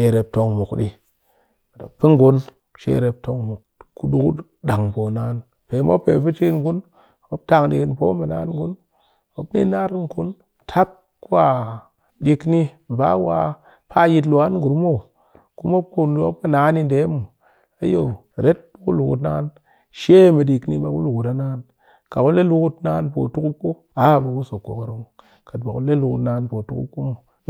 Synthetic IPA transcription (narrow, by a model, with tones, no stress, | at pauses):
ʃe˨ɾe˨p̚to˨ŋmu˨kɗi˦˨ | to̰˨pːi˦ŋ˦ɡu˦n | ʃḛ˦ɾe˨p̚to˦ŋmu˨kku˦ɗu˦ku˦ | ɗa˨ŋpo˨na˨˦n | pe˨˦mo̰˦pːe˨pi˦t͡ʃi˦nɡu˦n | o˨˦p̚ta˦ŋdḭ˨ki˨npo˦mə˨na̰˦nɡu˦n | o˦bnḭ˦na˦ɾŋ˨ku˦n | tʰa˦p̚ | ku˦a˨ | ɗi˧kni˦ | m˨ba˦wa̰˧ | pʰa˦ji˧t̬lu˨a˦nɡu˨ɾmo˦˨ | ku˦mo˦p̚ku˦˧nlo˦ɨ˦na˨˦ni˧n˨de˨˦mu˨ | a˨˦jo˨ | ɾe˦t̚ku˦lu˨kṵ˨t̬na̰˧˦n | ʃe˦mi˨di˨kni˦ɓa˨˦ku˦lu˨ku˨ta˨˦naː˦n | ka˨ku˦le˦lu˦ku˦tnaː˧˦npo˨tu˦ku˦k͡pːo˦ | a˨˦˨ba˨ku˦so˨kːo̰˨ka˨ɾo˨ŋ | ka˨t̚ba˨ku˦le˦lu˨ku˨tnaː˨˦npo˨tu˦kṵ˦kːu˦mu˨